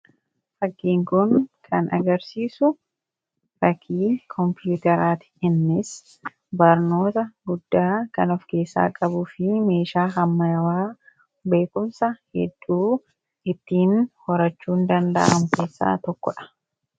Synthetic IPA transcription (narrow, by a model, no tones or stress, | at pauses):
fɐɡːiːŋkʊnkʰɐnɐ̰ɡɐɾsiːsʊ | fɐkʰːiːkʰɔmpjuːt̪ɛɾaːt̪ɪ̥hɪnːɪs | bɐɾno̞ːt̪ɐɡʊd̪ːaːkɐnɔfke̞ːsːa̰ːkʼɐbʊfɪme̞ːʃaːɦɐmːɐjɐwaː | be̞ːkʊmsɐhɛ̰d̪ːuː | ɪt̪ːiːnhɔɾɐt͡ʃːuːnd̪ɐnd̪ɐ̰ʔɐmʊke̞ːsːa̰ːt̪ɔkːɔᶑɐ̥